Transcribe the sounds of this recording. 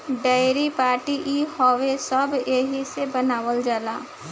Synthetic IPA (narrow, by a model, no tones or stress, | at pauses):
ɖəɪɾipaːɾʈiʔihɔʋesəbjeɦisebənaːʋəld͡ʒaːlaː